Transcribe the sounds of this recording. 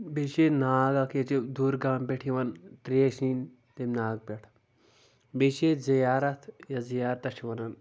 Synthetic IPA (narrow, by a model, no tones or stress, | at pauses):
bet͡ʃenaːɡakʰet͡ʃed̪uːɾɡaːmpeʈʰiʋɐnt̪ɾeʃin | t̪emnaːɡ̚peʈʰ | bet͡ʃezɐjaːɾɐt̪ʰjazijaːɾt̪ɐt͡ʃʰiʋɐnɐn